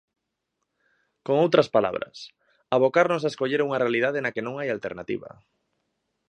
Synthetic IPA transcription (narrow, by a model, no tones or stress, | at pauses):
koŋowt̪ɾɐspala̰β̞ɾɐ̰s | aβ̞okaɾnos̬aeskoʎeɾuŋarealið̞aðenakenõŋajalt̪eɾnat̪ḭβɐ̰